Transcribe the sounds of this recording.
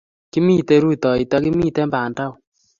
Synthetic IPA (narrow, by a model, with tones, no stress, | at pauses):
ki˦mi˦˨te˧ɾu˦tɔ˨i˨tɔ˦ki˦mi˦te˦mba˨nda˦w